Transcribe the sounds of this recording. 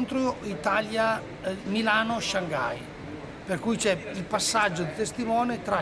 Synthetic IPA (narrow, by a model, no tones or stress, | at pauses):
nt̪ɾoit̪alja | milaːnoʃaŋɡa̰j | perkujt͡ʃɛilpasːad͡ʒːod̪it̪est̪imɔːnet̪ɾa